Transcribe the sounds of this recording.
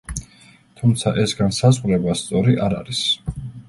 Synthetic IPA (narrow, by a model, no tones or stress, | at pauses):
t̪ʰumt̪sʰaʔɛsɡansazʁɾɛbast̪sʼɔɾiʔaɾa̰ɾis